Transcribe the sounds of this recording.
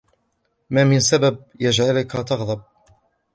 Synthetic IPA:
maːmɪnsabab̚ | jad͡ʒʕalʊkat̪ɑɣðˤɑb̚

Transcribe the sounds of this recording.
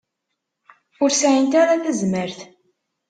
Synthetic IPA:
ʊɾsʕənt̪aɾaθæzməɾθ

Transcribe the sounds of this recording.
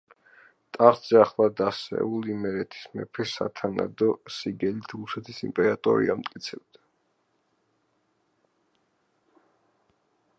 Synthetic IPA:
t̪ʼaχd̪zɛaχlˠad̪asɛ̰ulˠimɛɾɛt̪ʰi̥smɛ̰pʰɛsa̰t̪ʰana̰d̪ɔsiɡɛlit̪ʰɾusɛt̪ʰisimpʼɛɾat̪ʼɔ̰ɾḭamt̪ʼkʼit̪sʰɛb̚d̪a

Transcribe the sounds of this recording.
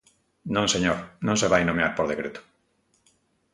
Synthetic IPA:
nõŋseɲoɾnõŋseβajnomeaɾpoɾðekɾet̪o̥

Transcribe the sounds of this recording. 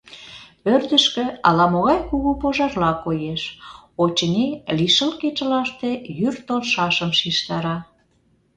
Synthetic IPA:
pørd̪əʃkĕɑlɑmoɣɑjkuɣupoʒɑrlɑkojeʃot͡ɕənʲeliʃəlket͡ɕə̆lɑʃt̪ejyrt̪olʃɑʃəmʃiʃt̪ɑɾɑ

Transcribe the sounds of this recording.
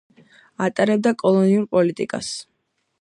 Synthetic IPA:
at̪ʼaɾɛb̚d̪akʼɔlˠɔniumpʼɔlit̪ʼikʼa̰s

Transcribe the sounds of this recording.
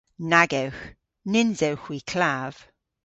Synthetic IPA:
naɡəwx | nɪnzəwxwikʰl̥av̥

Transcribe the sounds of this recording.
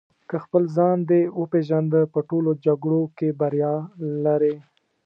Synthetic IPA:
kəxpəlzɑnd̪ewəpeʒand̪əpəʈolod͡ʒaɡɽokebaɾjɑlaɾe

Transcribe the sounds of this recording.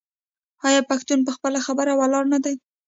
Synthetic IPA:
ɑjɑpaxt̪unp̬əxpəlaxabəɾawalɑɾnad̪aj

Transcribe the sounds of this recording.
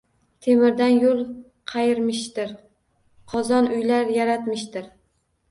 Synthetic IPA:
t̪ʰe̞mɪɾd̪anjolˠ | qʰɑjɪɾmɪʃt̪ɪɾ | qʰɒzɒnʊjlaɾjaɾat̪mɪʃt̪ɪɾ

